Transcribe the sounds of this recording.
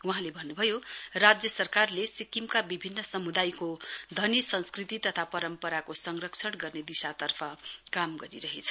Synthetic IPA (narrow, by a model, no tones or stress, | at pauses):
uɦãlebʱʌnːubʱʌjorad͡zjʌsʌrkarlesikimkabibʱinːʌsʌmud̪ajkod̪ʱʌnisʌ̃nskrit̪it̪ʌt̪ʰapʌɾʌmpʌɾakosʌŋrʌkt͡sʰʌɽɡʌrned̪isat̪ʌrpʰʌkamɡʌɾḭɾʌɦet͡sʰʌ̥